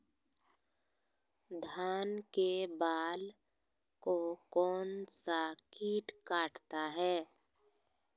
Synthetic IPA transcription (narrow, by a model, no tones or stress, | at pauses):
d̪ʱaːnkebaːl | kokɔːnsakiːʈkaːʈt̪aɦɛː